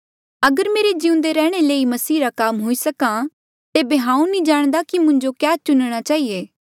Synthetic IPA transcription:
ɐɡəɾmeːɾed͡ʒiʊ̃nd̪eɾɛːɽ̃eleːimɐsiːɾakaːmɦoːisɐkã | t̪eːbeɦãːũnĩd͡ʒaːɽ̃d̪akimʊ̃ɲd͡ʒokjaːt͡ʃʊnɽ̃at͡ʃaːɦieː

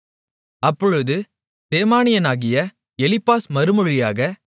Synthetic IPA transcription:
ɐpːɔɻɯðɯ | d̪̥eːmaːnɪjɐnaːɣɪjɐ | ɛlɪpːaːsmɐɾɯmɔɻɪjaːɣɐ

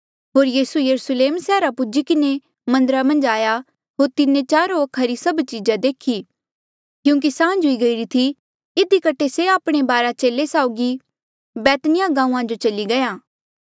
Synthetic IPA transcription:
ɦoːɾjiːsujɐɾusleːmsɛːɾapʊd͡ʒikɪne | mɐ̃nd̪əɾamɐ̃nd͡ʒaːja | ɦoːɾt̪ɪnẽt͡ʃaːɾoɐkʰaɾisɐbt͡ʃiːd͡ʒad̪eːkʰi | kjũːk̬isãːd͡ʒʊiɡɐiɾit̪ʰi | ɪd̪ikɐʈʰeseaːpɽ̃ebaːɾat͡ʃeːlesaːʊɡi | bɛːt̪nɪjaɡãːũːãd͡ʒot͡ʃɐliɡɐjãː

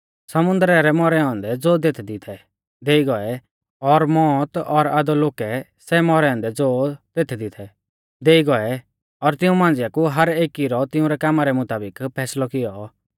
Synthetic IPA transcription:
sɐmʊ̃nd̪ɾɛɾɛmɔɾɛɔ̃ːnd̪ɛd͡zoːd̪eːt̪ʰɛd̪ɪt̪ʰɛ | d̪eːiɡɔɛ | ɔɾmɔːt̪ɔɾad̪ɔloːkɛ | sɛmɔɾɛɔ̃ːnd̪ɛd͡zoːt̪eːt̪ʰɛd̪ɪt̪ʰɛ | d̪eːiɡɔɛ | ɔɾt̪ɪũmãːn̆d͡zjakuɦɐɾeːkiɾɔt̪ɪʊ̃ɾɛkaːmaɾɛmʊt̪aːbɪkpʰɛːslɔkɪjɔ

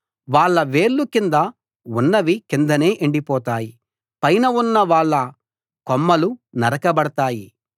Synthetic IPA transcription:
ʋaːɭːɐʋe̞ːɭːukind̪ɐ | unːɐʋikind̪ɐne̞ːʔeɳɖipɔːt̪aːji | pɐjnɐunːɐʋaːɭːɐ | komːɐlunɐɾɐkɐbɐɽɐt̪aːji

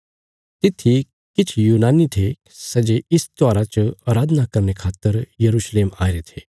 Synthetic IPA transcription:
t̪ɪt̪ʰi | kɪt͡ʃʰjuːnaːnit̪ʰe | sɐd͡ʒeɪst̪waːɾat͡ʃəaːɾaːd̪ʱnakɐɾnekʰaːt̪ːəɾjɐɾuːʃleːmaːɪɾet̪ʰeː

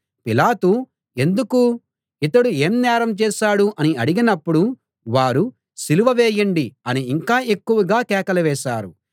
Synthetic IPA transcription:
pilaːt̪u | e̞nd̪uku | it̪ɐɽue̞ːmnaːɾɐmt͡ʃɛːʃaːɽuʔɐniɐɽiɡinɐpːuɽu | ʋaːɾu | siluʋɐʋeːjɐɳɖiɐniːŋkaːʔe̞kːuʋɐɡaːkɛːkɐlɐʋɛːʃaːɾu

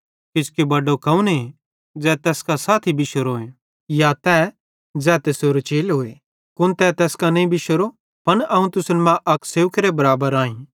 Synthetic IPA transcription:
kɪskebɐɖokɐũne | d͡zɛt̪ɛːskasaːt̪ʰibɪʃəɾoːẽ | jat̪ɛ | d͡zɛːt̪esoːɾt͡ʃeːlɦoːe | kʊnt̪ɛt̪ɛːskanɐĩbɪʃəɾo | pɐɳɐɦũt̪ʊsəlmãʔɐkseːʋkɾebɐɾaːbəɾãːĩ

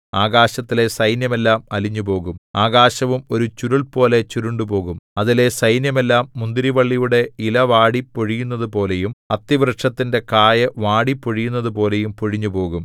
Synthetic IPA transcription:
aːɣaːɕɐt̪ːile̞sɐjnjɐme̞lːaːmɐliɲːupo̞ːɣumaːɣaːɕɐʋumo̞ɾut͡ɕuɾuɭpo̞ːle̞t͡ɕuɾuɳɖupo̞ːɣumɐðile̞sɐjnjɐme̞lːaːmːund̪iɾiʋɐɭːijuɽe̞ilɐʋaːɽipːoɻijunːɐðupo̞ːle̞jumɐt̪ːiʋrɨʈʂɐt̪ːinde̞kaːjɐʋaːɽipːoɻijunːɐðupo̞ːle̞jumpoɻiɲːupo̞ːɣum

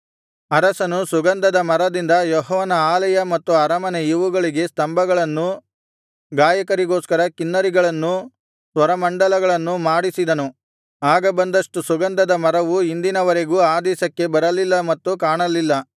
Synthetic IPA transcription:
ɐɾɐsɐnusuɡɐnd̪ɐd̪ɐmɐɾɐd̪ind̪ɐjɔɦɔːʋɐnɐaːlɐjɐmɐt̪ːuɐɾɐmɐneiʋuɡɐɭiɡe̞st̪ɐmbɐɡɐɭɐnːu | ɡaːjɐkɐɾiɡoːskɐɾɐkinːɐɾiɡɐɭɐnːu | sʋɐɾɐmɐɳɖɐlɐɡɐɭɐnːumaːɽisid̪ɐnu | aːɡɐbɐnd̪ɐʂʈusuɡɐnd̪ɐd̪ɐmɐɾɐʋuind̪inɐʋɐɾe̞ɡuːaːd̪ɛːʃɐkːe̞bɐɾɐlilːɐmɐt̪ːukaːɳɐlilːɐ

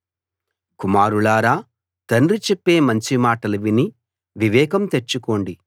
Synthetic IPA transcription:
kumaːɾulaːɾaː | t̪ɐnrit͡ʃepːe̞ːmɐɲt͡ʃimaːʈɐlɐʋini | ʋiʋɛːkɐmt̪e̞t͡ʃːuko̞ːɳɖi

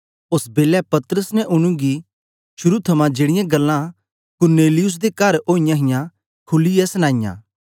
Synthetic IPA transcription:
ʊsbeːlɛpɐt̪ɾəsnɛ̃ʔʊɽ̃ũɡi | ʃʊɾut̪ʰɐmãd͡ʒeːɽɪjãɡɐlːã | kʊɾneːlɪjʊs̬d̪ekɐɾoːɪjãɦɪjã | kʰʊlːijɛsɐnãːɪjã̰ː

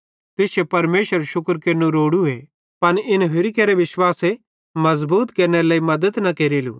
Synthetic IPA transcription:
t̪ɪsepɐɾmeːʃəɾʃʊkəɾkenũɾoːɽue | pɐnɪnɦɪɾɪkeɾeʋɪʃwaːse | mɐzbuːt̪keːɾnelaːimɐd̪ət̪nɐkeːɾeːlṵ

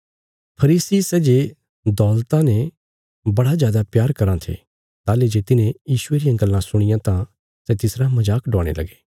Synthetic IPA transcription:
pʰɐɾiːsisɛːd͡ʒe | d̪ɔːlt̪ãne | bɐɽazjaːd̪apjaːɾkɐɾãt̪ʰḛ | t̪aːled͡ʒet̪ɪnẽjiːʃʊeɾɪjãɡɐlːãsʊɽ̃ɪjãt̪ã | sɛt̪ɪsɾamɐd͡ʒaːkɖɔːɽ̃ḛlɐ̰ɡe̥ː

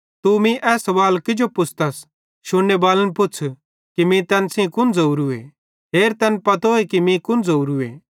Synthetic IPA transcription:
t̪umĩʔɛːsɐʋaːlkɪd͡ʒopʊt͡sʰt̪ɐs | ʃʊɽːebaːlənpʊt͡sʰ | kimĩt̪ɛnsĩkʊnd͡zouɾue | ɦeːɾt̪ɛnpɐt̪oːekimĩkʊnd͡zouɾuḛ

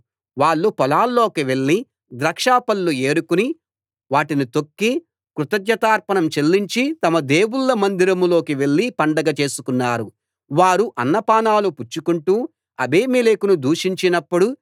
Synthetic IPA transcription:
ʋaːɭːupɔlaːlːo̞ːkiʋe̞ɭːi | d̪ɾɐkʂaːpɐlːue̞ːɾukuni | ʋaːʈinit̪o̞kːi | kɾut̪ɐd̪jɐt̪aːɾpɐnɐmt͡ʃe̞lːiɲt͡ʃit̪ɐmɐd̪e̞ːwuɭːɐmɐnd̪iɾɐmlo̞ːkiʋe̞ɭːipɐɳɖɐɡɐt͡ʃe̞ːsukunːaːɾu | ʋaːɾuʔɐnːɐpaːnaːluput͡ʃːukuɳʈuː | ɐbʱeːmilekunud̪uːʂiɲt͡ʃinɐpːuɽu

